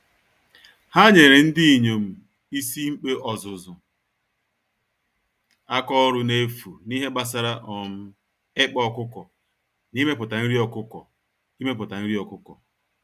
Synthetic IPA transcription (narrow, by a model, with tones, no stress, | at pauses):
ha˦ɲe˨ɾe˨n̩˦dɪ˦i˨ɲo˨m̩˨ | i˦si˦ŋ͡m̩˦k͡pe˦ʔɔ˨zʊ˨zʊ˨ | a˦kɔ˦ɔ˦ɾʊ˦ne˦fu˨ni˦ɦe˦ɡ͡ba˦s̬a˦ɾa˦ʔɔ˨m̩˦ | ɪ˦k͡pɔ˦kʊ˦kɔ˨ | ni˦me˦pʊ˨ta˨n̩˦ɾi˦ɔ˨kʊ˦kɔ̰˨ | i˦me˦p̬ʊ˨ta˨n̩˦ɾi˦ɔ˨kʊ˦kɔ̰˨